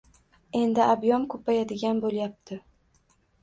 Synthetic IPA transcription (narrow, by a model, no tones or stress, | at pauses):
e̞nd̪ɪabjɒmkʰɵpʰajad̪ɪɡʲanbolˠjap̚t̪ʰɪ